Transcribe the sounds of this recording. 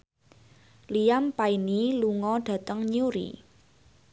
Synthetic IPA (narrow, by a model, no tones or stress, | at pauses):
liampainiluŋɔɖ̥ä̤t̪əŋɲuɾḭ